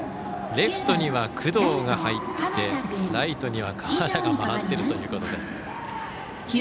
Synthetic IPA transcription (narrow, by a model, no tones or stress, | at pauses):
ɾe̞ɸɯ̥t̪o̞ɲ̟iβakʰɯ̟d̪o̞ːɡahait̪ːe̞ɾait̪o̞ɲ̟iβakʰaɾad̪aɡamanat̪ːe̞ɾɯ̟t̪o̞jɯ̟ːko̞t̪o̞d̪e̞